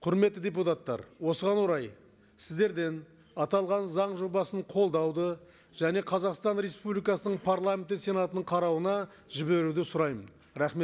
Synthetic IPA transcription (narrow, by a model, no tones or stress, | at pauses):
qʰʊɾme̞t̪ːɪd̪ʲeput̪at̪ːɑ̰ɾwo̞səʁɑnwoɾɑj | sɪzd̪e̞ɾd̪e̞n | ɑt̪ɑlˠʁɑnzɑɴʒo̞bɑsəɴqʰo̞lˠd̪ɑwd̪ə | ʒ̥æne̞qʰɑzɑqst̪ɑnɾe̞spublˠijkɑsənəɴpʰaɾlˠamʲe̞nt̪ːese̞nɑt̪ənəɴqʰɑɾɑwənɑ | ʒɪbe̞ɾud̪ɪsʊɾɑjmən | ɾæχme